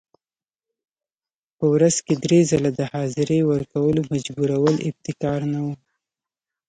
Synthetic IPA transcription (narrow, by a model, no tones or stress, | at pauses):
pəwɾaz̥ked̪ɾezalad̪əhɑzɪɾewəɾkawəlomad͡ʒbuɾawəlɪb̚t̪ɪkɑɾnawu